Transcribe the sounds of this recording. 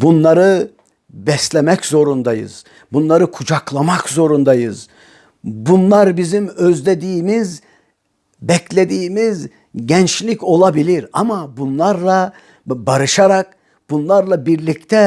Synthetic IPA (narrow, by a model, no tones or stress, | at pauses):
bunlˠaɾɯ | bɛslʲɛmɛczo̞ɾund̪ajɯ̰z̥ | bunlˠaɾɯkʰud͡ʒaklˠamakzo̞ɾund̪ajɯz | bunlˠaɾbizimøzlʲed̪iːmiz | bɛclʲed̪iːmiz | ɟɛnt͡ʃlʲico̞lˠabilʲiɾamabunlˠaɾlˠa | baɾɯʃaɾak̚ | bunlˠaɾlˠabiɾlʲict̪ʰɛ